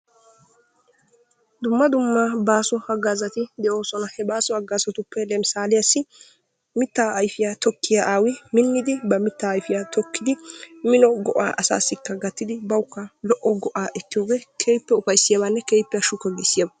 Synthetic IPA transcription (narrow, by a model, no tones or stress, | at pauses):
d̪ʊmːɐd̪ʊmːɐbaːsɔɐɡːaːzɐt̪ɪd̪ɛʔo̞ːsɔnɐhɛbaːsɔɐɡːaːsɐt̪ʊpːɛlɛmsaːlɪjɐsːɪ | mɪt̪ːaːɐjfɪjat̪ɔkʰːɪjaʔaːwɪmɪnːɪd̪ɪbɐmɪt̪ːaːjfɪjaːt̪ɔkːɪd̪ɪmɪnɔɡɔʔa̰ːʔɐsa̰ːsːɪkːɐɡɐt̪ːɪd̪ɪbɐwʊkːɐlɔʔɔɡɔʔaːʔɛt̪ːɪjoːɡeːkʰeːjpːɛʊfɐjsːɪjɐbanːɛkeːjpːɛjɐʃʊkːɐɡisːɪjɐbɐ